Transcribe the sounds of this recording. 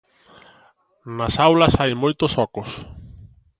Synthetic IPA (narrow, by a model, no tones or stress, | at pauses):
nasawlɐsajmojt̪ʊsɔkʊs